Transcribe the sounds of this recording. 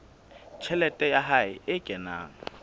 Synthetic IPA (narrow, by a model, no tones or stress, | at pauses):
t͡ʃʰɛlɛtʼɛjaɦaɪɪkʼɛna̰ːŋ̩